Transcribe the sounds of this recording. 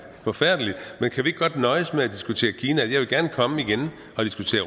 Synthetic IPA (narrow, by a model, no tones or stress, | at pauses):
fɒ̽fæɐ̰d̥əlid̥menkʰæʋie̝ɡ̥̚ɡ̥ɒ̽d̥nɒ̽ɪəsmeæd̥isɡ̥ut͡sʰe̝̰ːɐkʰiːnæjɑɪʋe̝lɡ̥æɐnəkʰɒ̽məiɡ̥en | ʔɒ̽d̥isɡ̥ut͡sʰe̝̰ːɐ